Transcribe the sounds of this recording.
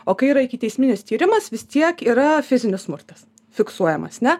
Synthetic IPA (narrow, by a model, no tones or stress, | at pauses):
oːkɐɪiːɾɐɪkʲɪt̪ʲɛɪsʲmʲɪnʲɪst̪ʲiːɾʲɪmɐsʋʲɪst̪ʲiɛkiːɾɐfʲɪzʲɪnʲɪsmʊrt̪ɐs | fʲɪksuɔjɛmɐ̰snʲɛ